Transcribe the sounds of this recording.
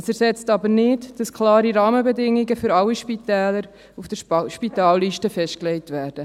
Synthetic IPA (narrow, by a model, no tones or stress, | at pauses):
əsɛɾsɛt͡stɑbəɾnɪdd̥ɑskʰlɑːɾiɾɑːməbɛdɪŋiɡəfʏɾɑwiʃpitɛːləɾ | ufd̥əɾʃpitɑːlːiːʃtəfɛʃtklɛjtʋæːɾd̥ə